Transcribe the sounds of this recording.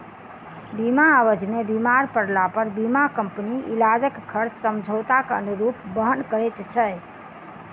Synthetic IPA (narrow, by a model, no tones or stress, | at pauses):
bimaːʋəd͡ʒmebimaɾpəɽlapəɾbimakəmpniilad͡ʒəkːʰəɾt͡ʃsəmd͡ʒʱot̪akə̰nuɾupbəɦənkəɾɛt̪t͡ʃʰə